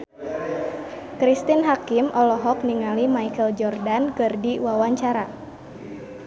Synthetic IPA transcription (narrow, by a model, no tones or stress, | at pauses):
kɾist̪inɦakimʔɔlɔɦɔk̚niŋalimaikəld͡ʒɔrdankɨrdiwawaɲt͡ʃaɾa